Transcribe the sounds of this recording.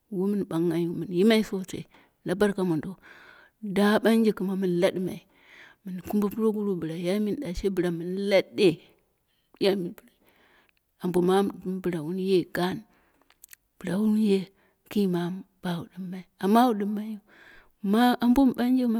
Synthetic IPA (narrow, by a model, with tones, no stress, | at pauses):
wu˦mi˦nba˨ŋːa˨ju˦mi˨n˨ji˦ma˦i˦so˦˨tḛ˨i˨ | la˦ba˦ɾka˦mo˨ndo˦ | da˦ba˦n˦d͡ʒe˦˨ku˨ma˨mi˨n˨la˦dma̰˨i˨ | mɨ˨n˨ku˦m˦bo˦pu˦ɾo˦ɡu˦ɾu˦bɨ˨ɾa˨ja˦mi˦n˨da˨ʃe˦bɨ˨ɾa˨mi˨n˦la˦de˦ | ja˦mi˨nbu˨ɾa˨ | a˨mbo˨ma˦bɨ˨ɾa˨wu˦n˦je˦ɡa˦˨n | b̥ɨ˨ɾa˨wu˦n˦je˦ | ki˦ma˨˦b̥a˨wu˨dɨ˨mːa˨i˨a˨mːa˦wu˦ɗɨ˦mːa˦ju˦ | ma˦a˨mbo˦m˨ɓa˦n˦d͡ʒe˦ma˦